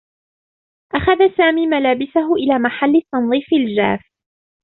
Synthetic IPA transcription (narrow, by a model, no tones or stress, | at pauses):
ʔaxaðasaːmiːmalaːbɪsaɦʊʔɪlaːmaħalːɪt̪ːɑnðˤiːfɪld͡ʒa̰ːf